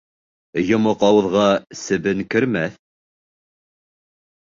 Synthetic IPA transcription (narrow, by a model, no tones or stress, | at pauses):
jŏmoqɑw̆ðʁɑsɘ̆βɘŋkɵ̆ɾmæθ